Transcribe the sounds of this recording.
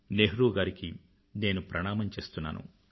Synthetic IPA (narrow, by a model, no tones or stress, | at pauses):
neɦɾuːɡaːɾiki | ne̞ːnupɾɐɳaːmɐmt͡ʃe̞ːst̪unːa̰ːnṵ